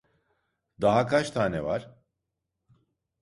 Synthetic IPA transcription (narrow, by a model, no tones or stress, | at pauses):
d̪aɦakʰat͡ʃt̪ʰaːnɛ̰va̰ɾ̥